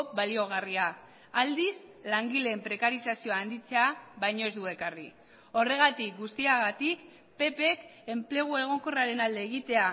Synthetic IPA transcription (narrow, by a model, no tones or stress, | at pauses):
balio̞ɣ̞ariaː | ld̪islaŋɡileːmpɾe̞kaɾisasio̞aːnd̪it͡seaβajɲo̞e̞zd̪ue̞karḭ | o̞re̞ɣ̞at̪ik̚ɡust̪iaɣat̪ik | pe̞pe̞ke̞mple̞ɣ̞ue̞ɣ̞o̞ŋko̞raɾe̞nald̪e̞ːɣ̞it̪e̞a